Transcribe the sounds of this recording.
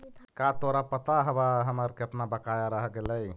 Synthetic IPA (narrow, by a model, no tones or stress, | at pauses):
kat̪oɾapət̪aɦəbaɦəməɾkeəpnabəkajaɾəɦɡeləj